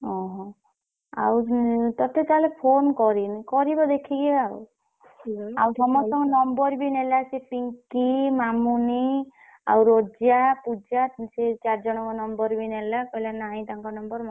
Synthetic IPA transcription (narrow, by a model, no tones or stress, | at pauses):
ɔ̃ɦɔ̃ | a̰wt̪ɔt̪et̪aalepʰonkɔɾinikɔɾibɔd̪ekʰiɡeaw | awt̪ɔmɔsɔŋɡɔnɔmbɔɾbinelasepiŋkimamuni | a̰wɾod͡ʒjapud͡ʒaset͡ʃaɾd͡ʒɔɽ̃ɔkɔnɔmbɔɾbinelakɔɦilanaĩt̪aŋkɔnɔmbɔɾm